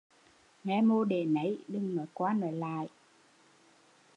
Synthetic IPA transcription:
ŋɛ˧mo˧ɗe˨˩nə˨˦jɗɨ˧ŋnɔː˨˦jkwaː˧nɔ˨˦jla̰ː˧˨j

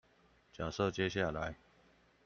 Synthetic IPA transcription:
t͡ɕja˨˩ʂɤ˥˧t͡ɕjɛ˥˦ɕja˥˨la˨˦ɪ

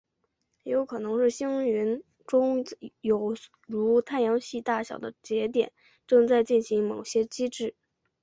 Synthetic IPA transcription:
jo˧˥ʊkʰɤ˨˩nɤ˧˥ŋʂɻ̩˥˩ɕi˥ŋy˧˥n | ʈ͡ʂʊ˥ŋjo˨˩ʊ | ɻu˧˥t̪ʰa˥˩njɑ˧˥ŋɕi˥˧t̪a˥˩ɕjɑ˨˩ʊd̪ə˦t͡ɕjɛ˧˥t̪̬jɛ̰˨˩˦n | ʈ͡ʂɤ˥˧ŋt͡sa˥˧ɪt͡ɕi˥˩nɕi˧˥ŋmo˨˩ʊɕjɛ˥t͡ɕi˥ʈ͡ʂɻ̩˥˩

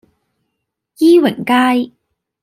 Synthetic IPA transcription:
jiː˥wɪ̰˨˩ŋkaː˥j

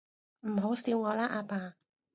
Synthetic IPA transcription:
m̩˨˩ɦo˨˥wsiː˧wŋɔː˨˧laː˥ʔaː˧paː˧

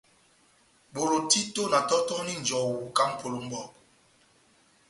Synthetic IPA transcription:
ɓo˨ɾo˨ti˦to˦na˨tɔ˦tɔ˦ni˦n̩˨d͡ʒɔ˨wu˨˦ka˦m̩˦pʰo˨lo˨˦m̩˦ɓɔ˦˨p̚

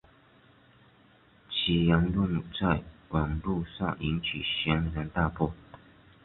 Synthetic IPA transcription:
t͡ɕʰi˧˥jɑ˧˥ŋlʊ˥˩ŋ˨t͡sa˥˩ɪwɑ˨˩ŋlu˥˧ʂɑ̰˥˩ŋi˧˥nt͡ɕʰi˨˩ɕjɛ˧˥nɻə˧˥nt̪a˥˧pɔ˥˩

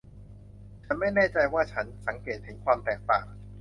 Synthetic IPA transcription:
t͡ɕa˨˩ma˥˩jnɛː˥˩t͡ɕa˧jwaː˥˩t͡ɕʰa˦˥nsa˩˦ŋkeː˨˩t̪̚hɯ˩˦nkʰwaː˧mt̪ɛː˨˩k̚t̪aː˨˩k̚

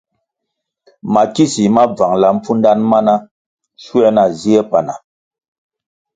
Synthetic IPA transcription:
ma˨ki˦si˨ma˦b͡va˨ŋla˨m̩˦p͡fu˦n˦da˦nma˦na˦ | su˦ɛ˦na˨zi˦e˦pa˨na˨

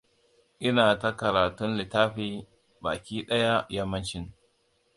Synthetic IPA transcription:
ʔɪ˦naː˨ta˦kɐ˨ɾaː˨tʊ˦nlɪ˨taː˦ɸiː˦ | baː˨kʲiː˦ɗɐ˦ja˦jɐ˦mːɐ˦nt͡ʃɪ˦n

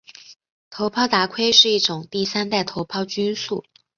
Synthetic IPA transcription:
t̪ʰo˧˥ʊpʰɑ˥˧ʊt̪a˧˥kʰwe˥ɪʂɻ̩˥˧i˥˩ʈ͡ʂʊ˨˩ŋt̪i˥˩sa˥nt̪a˥˩ɪt̪ʰo˧˥ʊpʰɑ˥˧ʊt͡ɕy˥nsṵ˥˩

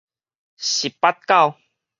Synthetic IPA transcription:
ɕi˨˩pːa˦t̪̚ka˥˨w

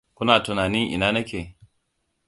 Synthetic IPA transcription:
kʷʊ˦naː˨tʊ˨naː˨nɪ˦ŋʔɪ̰˨naː˦nɐ˦kʲeː˨

